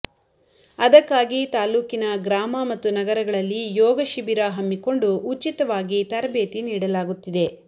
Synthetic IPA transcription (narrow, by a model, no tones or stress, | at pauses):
ɐd̪ɐkːaːɡit̪aːluːkinɐɡɾaːmɐmɐt̪ːunɐɡɐɾɐɡɐɭɐlːijɔːɡɐʃibiɾaɦɐmːiko̞ɳɖuut͡ʃːit̪ɐʋaːɡit̪ɐɾɐbeːt̪iniːɽɐlaːɡut̪ːid̪e̞